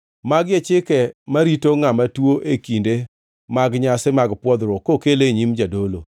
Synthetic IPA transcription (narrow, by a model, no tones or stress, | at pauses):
maɡjet͡ʃɪkɛmaɾitoŋamatwoʔekinde | maɡɲasɪmaɡpwɔd̪ɾɔkokeleɲimd͡ʒadolo̰